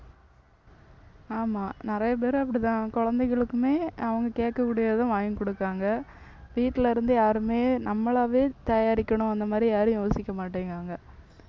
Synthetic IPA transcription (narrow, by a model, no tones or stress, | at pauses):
aːmaːnɪɾɐjɐp̬eːɾɯ̃ɐp̬ːɐɽɪt̪ãːkɔɻɐnd̪ɛɪɣɐɭɯkːɯmeːɐʋɐŋɡɐkeːʈ̚kɐkːuːɽɐjaːðãʋaːjɐŋkɔɽɯkːaːŋɡɐ | ʋiːʈːɪlɐɪɾɯnd̪ɯjaːɾɯmeːnɐmːɐɭaːʋeːt̪ɐjaːɾɪkːɐɳʊ̃ɐnd̪ɐmaːd̪ɾijaːɾɯ̃joːsɪkʲːɐmaːʈːeːŋɡaːŋɡɐ